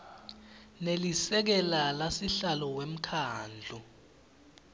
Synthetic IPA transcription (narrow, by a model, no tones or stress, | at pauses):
nelisɛk̬ɛlalasiɬalɔwem̩kʰaːnd͡ɮʱu